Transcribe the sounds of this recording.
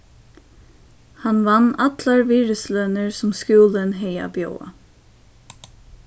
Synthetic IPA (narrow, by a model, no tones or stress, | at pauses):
hanʋanːat̪laɹviːɹəslœnəɹsʊmskjuːlənɦɛja̰bjo̰wa̰